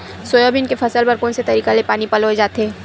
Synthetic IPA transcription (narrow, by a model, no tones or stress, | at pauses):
soːjobʱɪnkefʰɐsəlpɐɾkoːnset̪ɐɾiːkalepaːnipɐloed͡ʒaːt̪eː